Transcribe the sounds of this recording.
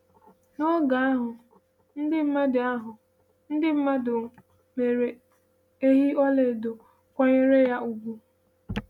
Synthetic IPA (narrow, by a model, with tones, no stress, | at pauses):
no˦ɡa˨a˦ɦʊ˨ | n̩˦dɪ˦m̩˦ma˦dɪ˨a˦ɦʊ˨ | n̩˦dɪ˦m̩˦ma˦dʊ˨ | me˨ɾe˨ | e˦ɦi˦ɔ˦le˨do˨ | kʷɔ˦ɲe˦ɾe˦ja˦ʔu˨ɡu˦